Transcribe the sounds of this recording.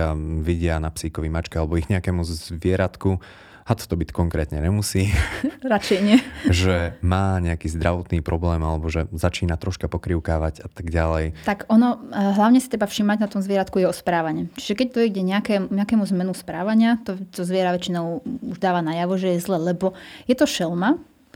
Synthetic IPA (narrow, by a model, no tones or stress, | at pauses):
aʋiɟɪanapsiːkɔʋimat͡ʃkɛalɛbɔiɣɲɛakɛːmuzzʋɪɛɾat̪ku | hat̪ɔ̥t̪ɔbickɔŋkɾɛːt̪ɲɛɲɛmusiːɾat͡ʃɛjɲɪɛʒɛmaːɲɛakiːzd̪ɾaʋɔt̪niːpɾɔblɛːmalɛbɔʒɛzat͡ʃiːnat̪ɾɔʃkapɔkɾiʊkaːʋaɟat̪aɡɟalɛjt̪akɔnɔɦlaʊɲɛsit̪ɾɛbafʃimaɟnat̪ɔmzʋɪɛɾat̪kujɛɔspɾaːʋaɲɛt͡ʃi̥ʒɛkɛc̚t̪ɔjɛɡɟɛɲɛakɛmɲɛakɛːmuzmɛnuspɾaːʋaɲɪat̪ɔt̪ɔzʋɪɛɾaʋɛt͡ʃinɔʊuʒd̪aːʋanajaʋɔʒɛjɛzlɛːlɛbɔjɛt̪ɔʃɛlma